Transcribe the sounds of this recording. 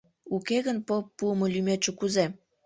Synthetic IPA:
ukeɣənpopːuəmŏlymet͡ʃĕkuze

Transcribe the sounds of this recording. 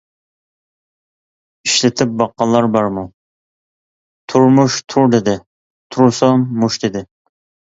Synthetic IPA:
iʃlɪt̪ʰɪp̚bɑqːɑlˠːɑɾbɑɾmu | t̪ʰuɾmuʃt̪ʰuɾd̪ɪd̪ɪ | t̪ʰuɾsɑmːuʃd̪ɪd̪ɪ

